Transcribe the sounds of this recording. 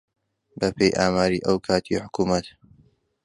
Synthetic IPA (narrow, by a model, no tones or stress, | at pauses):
bɐpʰejʔaːmaːɾiːʔɐwkʰaːt̪ʰḭħʊ̥kuːmɐt̪